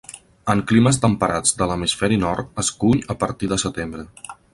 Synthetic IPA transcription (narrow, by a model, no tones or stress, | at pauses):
əŋkliməs̬t̪əmpəɾad͡zd̪ələmisfɛɾinɔɾt̪əskuɲəpəɾt̪iðəsət̪embɾə